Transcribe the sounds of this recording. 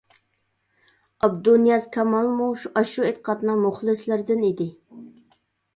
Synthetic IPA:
ɑbd̪unijɑz̥kʰɑmɑlˠmuʃuʔɑʃuet̪ə̥qʰɑt̪nɨŋmʊχlˠɨslɪɾd̪ɪnid̪ɪ

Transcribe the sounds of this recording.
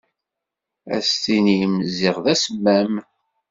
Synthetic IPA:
æ̰st̪inimzɪʁðæsəmːæm

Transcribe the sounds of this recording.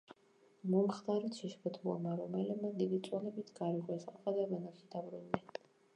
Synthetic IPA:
mɔmχd̪aɾɔt̪ʃiʃbʰɔt̪ʰulˠɔ̰maɾɔmɛlɛmad̪id̪it̪sʼwanɛbit̪ʰɡaɾiʁʼwɛsaqʼad̪avɛnaχid̪̥abɾunːɛ

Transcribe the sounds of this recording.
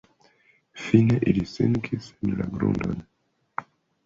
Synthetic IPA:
fineʔiliseŋkʰisenlaɡɾṵndon

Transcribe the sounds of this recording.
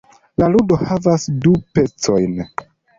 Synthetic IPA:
laludo̞havasdupe̞t͡so̞̰jn

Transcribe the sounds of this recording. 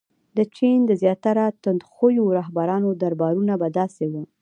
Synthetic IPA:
d̪ət͡ʃind̪əzjɑt̪aɾat̪ʊnd̪xojoɾɑɦbaɾɑnod̪aɾbɑɾunabad̪ɑsewu

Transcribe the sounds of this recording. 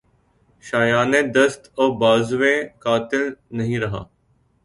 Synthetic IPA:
ʃaːjaːnẽːd̪əst̪oːbaːzʊʋẽkaːt̪ɪlnɐɦĩːɾɐɦa̰ː

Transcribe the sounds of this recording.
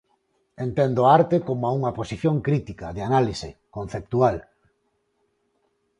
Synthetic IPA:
ent̪end̪oaaɾt̪ekomoauŋaposiθjõŋkɾit̪ikaðeanalisekon̟θep̚t̪ual

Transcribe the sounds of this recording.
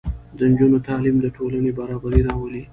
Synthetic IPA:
d̪ənd͡ʒunot̪ɑlimd̪əʈʰolanebaɾɑbaɾiɾɑwəli

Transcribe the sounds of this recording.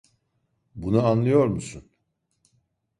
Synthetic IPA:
bunuanlˠɯjo̞ɾmusun

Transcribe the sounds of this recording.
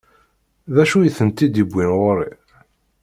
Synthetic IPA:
ðæʃujəθənt̪id̪ibʷːinʁoɾi

